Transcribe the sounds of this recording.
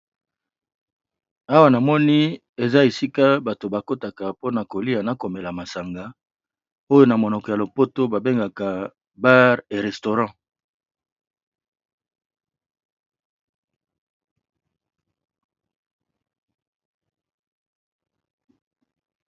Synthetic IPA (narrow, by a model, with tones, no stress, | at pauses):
a˦wa˦na˨mɔ˦ni˦ | e˨za˦e˨si˦ka˦ba˨to˨ba˨ko˦ta˨ka˨po˦na˨ko˨li˦a˨na˨ko˨me˨la˨ma˨sa˨ŋɡa˨ | o˦jo˦na˨mo˨nɔ˨kɔ˨ja˨lo˨po˦to˦ba˨be˦ŋɡa˨ka˨ | ba˦ʁe˨ʁe˨sto˨ʁɑ̃˦